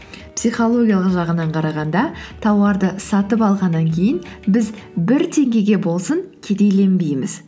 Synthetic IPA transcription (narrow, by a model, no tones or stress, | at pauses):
psijχo̞lˠo̞ɡʲijɑlˠəqʒɑʁənɑɴqʰɑɾɑʁɑnd̪ɑt̪ʰɑwɑɾd̪əsɑt̪əpɑlˠʁɑnːɑŋkʲʰe̞jɪnbɪzbɪɾt̪ʰe̞ŋɡʲe̞ɡʲe̞bo̞lˠsəŋkʲʰe̞d̪e̞jle̞nbe̞jmɪz